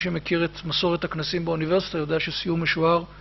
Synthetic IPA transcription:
ʃemekiʁet̪maso̞ʁet̪haknasimbeunive̞ʁsi̥t̪ajod̪eaʃesijumeʃuaʁ

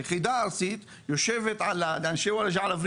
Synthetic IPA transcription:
χid̪aaɾsit̪ | joʃeːvet̪ʕalaanʃewalaʃʕalavɾ

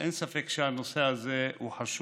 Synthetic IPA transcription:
ʔḛnsafekʃeanosehazeuħaʃu

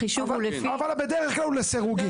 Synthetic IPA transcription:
iʃuvulefiavalbed̪eʁeχklaluleseʁuɡi

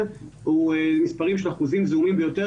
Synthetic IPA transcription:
huemispaʁimʃenaχuzimzumimbejo̞t̪e

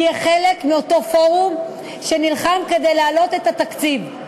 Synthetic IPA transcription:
jeχelekmio̞t̪o̞fo̞ʁum | ʃenilχamke̞d̪ejlaalo̞t̪et̪at̪akt͡siv

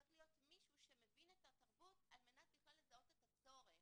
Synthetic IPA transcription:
aklijo̞t̪miʃuʃemevinetat̪aʁbutalmenat̪jiχalezaotet̪at͡so̞ʁe

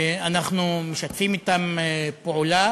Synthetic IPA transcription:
anaχnume̞ʃat̪fimit̪amepoula

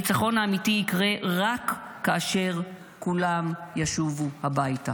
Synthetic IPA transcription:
it͡saχo̞nhaːmitiːkʁe̞ʁakː | aːʃe̞ʁ | kulamjaʃuvuhabajta

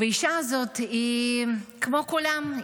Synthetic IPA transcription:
veiʃaazot̪i | kmokulam

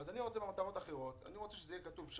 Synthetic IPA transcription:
azaniʁo̞t͡sebemat̪aʁo̞t̪aχeʁo̞t̪a̰niʁo̞t͡seʃezejekat̪uvʃ

